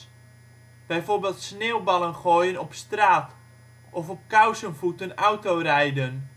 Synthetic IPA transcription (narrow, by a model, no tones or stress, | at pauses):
b̥ɛjforbɪːlˠtsneːwbɑlənχoːjənɔpstraːt | ʔɔfɔp̚kawsənfutənawtorɛjdən